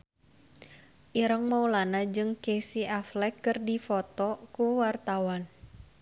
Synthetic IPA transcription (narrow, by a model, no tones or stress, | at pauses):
ʔiɾəŋmaulanad͡ʒɨŋkesiaflɛkːɨrdifɔt̪ɔkuwart̪awan